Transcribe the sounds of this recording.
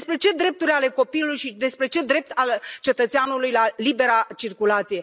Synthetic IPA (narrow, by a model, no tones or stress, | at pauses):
spɾe̞t͡ʃe̞d̪ɾe̞p̚t̪urʲale̞ko̞pilujʃid̪e̞spɾe̞t͡ʃe̞d̪ɾe̞p̚t̪ʰalt͡ʃe̞t̪ət̪seanulujlalibe̞ɾat͡ʃirkulat̪sije̞